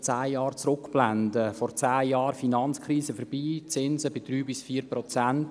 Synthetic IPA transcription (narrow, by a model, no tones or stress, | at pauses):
t͡saːjɑːɾt͡sɾʊkb̥landəfɔɾt͡saːjɑːɾfinɑnt͡skrɾiːsəfəɾb̥iːt͡sɪnzəbɪd̪̥ɾyːbɪsfiːprɔt͡sant